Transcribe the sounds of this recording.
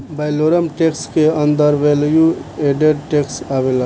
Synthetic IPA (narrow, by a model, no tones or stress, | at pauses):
bajloːɾəmʈekskeə̃nd̪əɾʋeljueɖeɖʈeksaʋela